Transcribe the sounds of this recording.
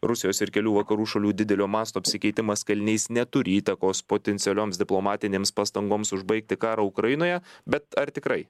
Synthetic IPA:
ɾʊsʲɪjoːsɪɾkʲɛlʲuːʋɐkɐɾuːʃɐlʲuːd̪ʲɪd̪ʲɛlʲoːmɑːst̪oːɐpʲsʲɪkʲɛɪt̪ʲɪmɐskɐlʲnʲɛɪsnʲɛt̪ʊɾʲiːt̪ɐkoːspoːt̪ʲɛnt̪sʲɪɛlʲoːmsd̪ʲɪplˠomɑːt̪ʲɪnʲeːmspɑst̪ɐŋɡoːmsʊʒbɐɪk̚t̪ʲɪkɑːɾɐːʊkɾɐjɪnoːjɛbʲɛt̪ɐɾt̪ʲɪkɾɐɪ

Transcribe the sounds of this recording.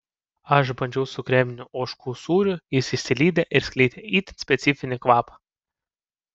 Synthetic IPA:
ɐʃbɐnʲd͡ʒʲɛʊsʊkɾʲɛːmʲɪnʲʊʔoːʃkuːsuːɾʲʊjɪsisʲɪlʲiːd̪ʲeʔɪɾsʲkʲlʲɛɪt̪ʲeiːt̪ʲɪnsʲpʲɛt̪sʲɪfʲɪnʲɪkʋɑːpɐ̥

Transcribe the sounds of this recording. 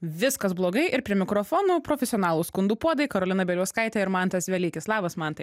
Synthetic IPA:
ʋʲɪskɐsblˠoːɡɐɪʔɪɾpʲɾʲiɛmʲɪkɾoːfoːnuːpɾoːfʲɛsʲɪɔnɑːlˠuːskʊnd̪uːpuɔd̪ɐɪkɐɾoːlʲɪnɐbʲɛlʲuːskɐɪt̪ʲɛɪɾmɐnt̪ɐsʋʲɛlʲiːkʲɪslˠɑːʋɐsmɐnt̪ɐɪ

